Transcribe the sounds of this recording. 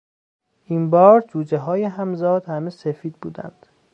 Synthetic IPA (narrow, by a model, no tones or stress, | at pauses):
ʔiːmbɒːɾd͡ʒuːd͡ʒeɦɒːjeɦæmzɒːd̪̥hæmesefiːd̪̚bṵːd̪æ̰nd̪̥